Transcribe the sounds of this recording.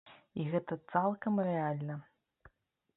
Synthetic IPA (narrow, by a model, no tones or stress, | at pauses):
iɣɛt̪ɐt̪salˠkɐmrɛalʲnɐ